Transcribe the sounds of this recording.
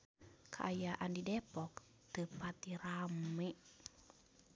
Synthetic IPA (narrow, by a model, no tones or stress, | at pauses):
kʰaʔajaʔandidɛpɔk | t̪əpat̪iɾame